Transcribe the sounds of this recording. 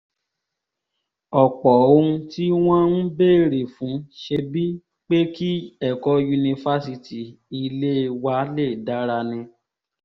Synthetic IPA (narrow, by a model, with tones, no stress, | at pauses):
ɔ˨k͡pɔ˨õ˧˦˧ti˦w̃ɔ̃˦n̩˦be˦˨ɾe˨fũ˨˦ʃe˧bi˦ | k͡pe˦ki˦ɛ˨kɔ˧˦ju˧nĩ˧fa˦si˧ti˨i˧le˦˧wa˦le˦˨da˨˦ɾa˧nĩ˧